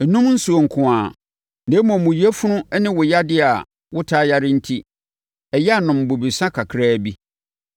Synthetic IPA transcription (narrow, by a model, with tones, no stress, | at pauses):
ɛ˨nũ˦mn̩˦su˨o˨ŋ̩˨kʰʊ̃˨aː˨ | nẽ˦mɔ̃˨mũ˨i˦ɛ˦fʊ˦nʊ̃˦nɪ̃˦wʊ˨ja˦dɪ˦a˨ | wʊ˦tʰaː˦ja˦ɾɪ˦n̩˦tʰi˦ | ɛ˨jɛ˦a˨nʊ̃˨m̩˨bʊ˨bi˨sã˦kʰa˨kʰɾaː˦˨bi˦